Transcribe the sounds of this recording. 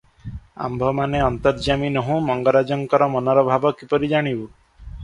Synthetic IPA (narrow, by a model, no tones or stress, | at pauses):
a̰mbʱɔmaneɔnt̪ɔɾd͡ʒaminɔɦũmɔŋɡɔɾad͡ʒɔŋkɔɾɔmɔnɔɾɔbʱabɔkipɔɾid͡ʒaɽ̃ibu